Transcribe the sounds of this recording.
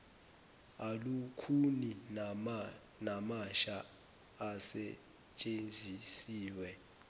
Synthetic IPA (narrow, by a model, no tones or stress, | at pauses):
alukʰuni | namaʃa | asɛ | t͡ʃʼend͡zʱisiːwɛ